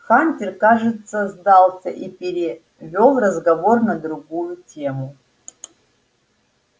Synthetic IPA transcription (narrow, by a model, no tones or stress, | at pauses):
xanʲtʲirkaʐɨt̪sɐzd̪alˠsʲɐ̰ʔipʲeɾʲɪ | vʲo̞lˠrɐzɡɐvo̞rnɐd̪ɾuɡujutʲemu